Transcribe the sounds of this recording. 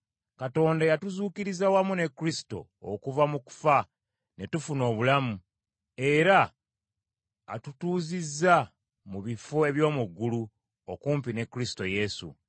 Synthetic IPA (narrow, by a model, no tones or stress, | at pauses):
kato̞ːndajatuzuːkiɾizawamune̞kːɾisi̥to̞̰ | o̰kuvamuku̥fa | ne̞tufuno̞ːβulamu | e̞ɾa | tutuːzizːa | muβifoe̞βjo̞ːmuɡːulu | okuːmpine̞kːɾisi̥to̞je̞sṵ